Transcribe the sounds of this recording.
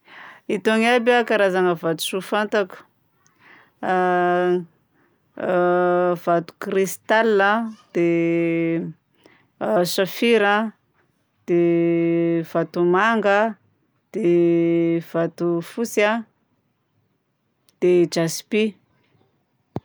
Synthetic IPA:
it̪oŋabʲakaɾazaŋəvat̪u̥sufant̪aku̥ | vat̪u̥kɾist̪alːəd̪̥e | safiɾa | d̪̥e | v̥at̪umaŋɡə | d̪̥e | v̥at̪ufusa | d̪̥ed͡ʒaspi

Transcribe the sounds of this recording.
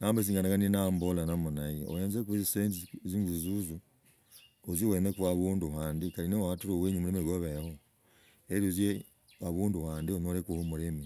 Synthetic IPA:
naːmbes̬iːŋɡanakaninambolanamunajio̰weːnzekueziseɲzziŋɡuzuzu | ozewenekuwaβuːnduhaːndikaɾinewaatuɾoweɲumuɾemeɡoβeho | eɾozje | aβuːnduhaːndionoɾekuhumuɾeme

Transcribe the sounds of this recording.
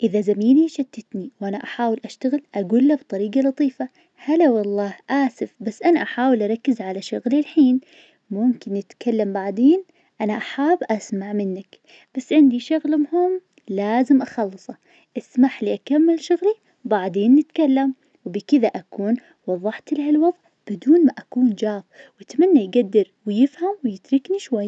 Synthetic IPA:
ʔɪðazamiːliʃat̪ːɪt̪niwʔanaʔaħaːwɪlʔaʃt̪aɣɪlʔaɡuːlːabt̪ˤɑɾiːɡalɑt̪ˤiːfa | halawɑlˤːɑːhʔaːsɪfbasːʔanaʔaħaːwɪlʔɑɾˤɑkːɪzʕalaʃʊɣlilħiːn | mʊmkɪnːɪt̪kalːambaʕd̪eːn | ʔanaʔaħaːbʔasmaʕmɪnːak | b̥asːʕɪnd̪iʃʊɣlmʊhʊm | laːzɪmʔɑxɑlːɨsˤɑ | ʔɪsmaħliʔakamːɪlʃʊɣli | baʕd̪eːnːɪt̪kalːam | wbɪkɪðaʔakuːn | wɑðˤːɑħt̪lahalwɑðˤʕ | b̥ɪd̪uːnmaʔakuːnd͡ʒaːfwɪt̪manːajɡad̪ːɪɾwɪjɪfhamwɪjɪt̪ɾɪkniʃwajːa

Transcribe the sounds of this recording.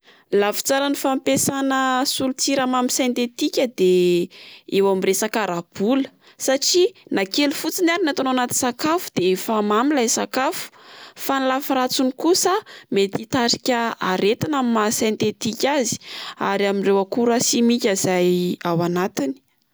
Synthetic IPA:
lafi̥t͡saɾanifampesanəsulut͡siɾamamisent̪et̪ikʲəd̪e | ewamresakaɾab̥ulə̥ | saʈ͡ʂinakelufut͡sinaɾinat̪anowanat̪insakafu̥d̪̥eefamamilajsakafu̥fanlafaɾat͡sunikusəmet̪it̪aʈ͡ʂi̥kʲəaɾet̪inammasent̪et̪ikʲazi̥a̰ɾaminrewakuɾasimikʲaz̥ajawanat̪ini̥

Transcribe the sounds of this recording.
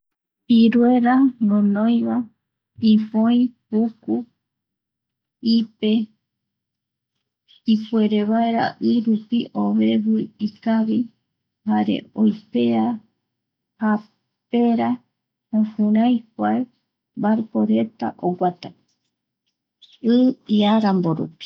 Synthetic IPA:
piɾweɾanõnõj̃βa | ipõĩpuku | ipe̞ | ipueɾeβaeɾa̰ʔɨɾupiʔoβe̞βɨikaβi | haɾe̞̰ojpea | ha | peɾa | õhũɾãjkʷae | baɾpoɾe̞t̪a̰ʔoɡʷat̪a | ɨiaɾamboɾṵpi̥

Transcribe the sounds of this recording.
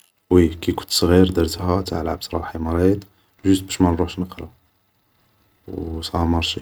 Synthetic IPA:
wikæjkʊ̥nt̪sˤɣiɾd̪əɾt̪hæt̪aʕlʕab̚t̪ɾˤɑ̰ħimɑɾˤid̪ | ʒʊst̪̚bæʃmænɾuħʃnəqɾɑ | wsˤɑməɾˤʃi

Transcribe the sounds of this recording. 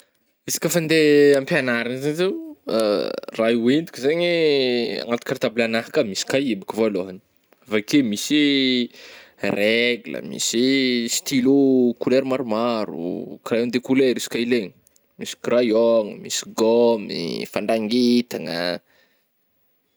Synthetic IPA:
isḁkʲəfand̪eampianaɾanzazeuərauind̪u̥kʲzeɲia̰ŋat̪u̥kaɾt̪ablanaɦakəmisi̥kaibikivaloɦani̥ | vakemisi | rʔeɡulə̰mḭsist̪ilukuleɾimaɾumaɾṵkrajond̪ekuleɾisi̥kaileɲi | misi̥krajoŋəmisiɡɔmḭfaɳɖ͡ʐaŋɡit̪aŋə̰

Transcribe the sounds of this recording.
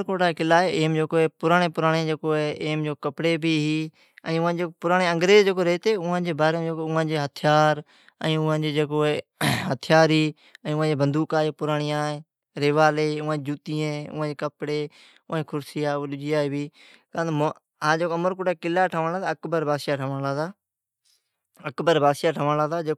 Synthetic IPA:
ɾkoːʈaːkɪlaːeːʔeːmd͡ʒoːkoːeːpʊɾaːɽeːpʊɾaːɽ̃ẽːd͡ʒeːkoːeːʔeːmd͡ʒoːkəpɽeːbʱiːɦiː | ə̃ːʊãːd͡ʒeːpʊɾaːɽeːəŋɡɾeːzd͡ʒeːkoːɾeːt̪eːʊːãːd͡ʒeːbaːɾeːd͡ʒoːkoʊɦãːd͡ʒeːɦət̪ʰjaːɾ | ə̃ːʊːãːd͡ʒeːd͡ʒeːkoːeːɦət̪ʰjaːɾiː | ɛ̃ːʊːãːd͡ʒeːbənd̪uːkaːeːpʊɾaːɳɪjãːeː | ɾeːʋaːleːʊːãːeːd͡ʒuːt̪iːẽʊ̰ãːd͡ʒeːkəpɽeː | ʊãːkʰʊɾsɪjaːɗʊd͡ʒijaːɦeːbiːkãːm | ɦãːd͡ʒeːkoəməɾkʊʈaːkɪlaːʈʰəʋənlaːt̪ːəkbəɾbaːsjaːʈʰəʋəlaːd̪aː | əkbəɾbaːsjaːʈʰəʋəlaːd̪aːd͡ʒe

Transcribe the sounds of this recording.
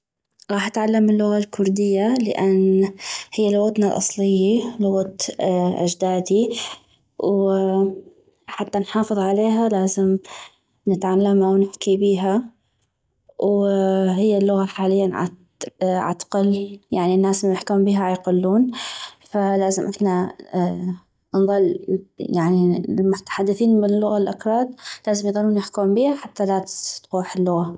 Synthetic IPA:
ɣɑːħʔat̪ʕalːamːɪlːʊɣalkʰʊɾd̪ɪjːalɪʔanhɪjːalʊɣat̪nalʔɑ̰sˤlɪjːalʊɣat̪ʔa̰d͡ʒd̪aːd̪i | w | ħat̪ːanħɑːfɨðˤʕaleːɦalaːzɪm | nɪt̪ʕalːamhawnɪħkibiːɦa | wɦɪjːalːʊɣaħaːlɪjːanʕa̰ | ʕa̰t̪qɑljaʕninːaːsljɪħkuːmbiːɦaʕjqʊlːuːnfalaːzɪmʔɪħna | nðˤɨlːjaʕnilmʊt̪ḁħad̪ːɪθiːnbɪlːʊɣalʔakɾˤɑːd̪̚laːzɪmjðˤɑlːuːnjɪħkuːmbiːhaħat̪ːalaːt̪t̪quːħɪlːʊɣa

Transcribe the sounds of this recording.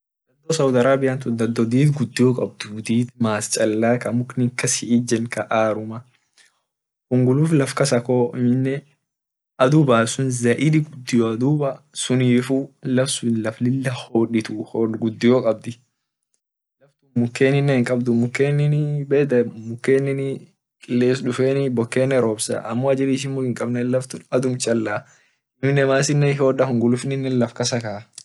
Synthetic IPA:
d̪ɐd̪ːɔsɐwd̪ɐɾaːbɪjant̪ʊd̪ɐd̪ːɔd̪iːt̪ɡʊd̪ːɪjɔkʼɐbd̪ʊd̪iːt̪maːst͡ʃʼɐlːaːkɐmʊknɪŋkːɐsɪʔɪd͡ʒɛnkɐʔaːɾʊmɐ | hʊŋɡʊluːflɐfkɐsɐkoːɪmɪnːɛ | ʔɐd̪ubaːsʊnzɐʔɪd̪ɪɡʊd̪ːɪjɔɐd̪uːbɐ | sʊniːfulɐfsʊnlɐflɪlːɐhoːᶑɪt̪uhoɡʊd̪ːɪjɔkʼɐb̚d̪ɪ | lɐft̪ʊmʊkːeːnɪnːɛhɪŋkʼɐbd̪ʊmʊkːeːnːɪnbeːd̪ɐmʊkːeːnːɪn | kʼɪlːeːs̬ᶑʊfeːnɪbɔkːeːnːɛɾoːbsɐ̰ʔɐmːɔɐd͡ʒɪɾɪʃ̬ɪnmʊhɪŋkʼɐbnɛlɐft̪ʊɐd̪ʊmt͡ʃʼɐlːɐ | ɪmɪnːɛmaːs̬ɪnːɛhoːɗɐhʊŋɡʊlʊfnɪnːɛlɐfkɐsɐkaː

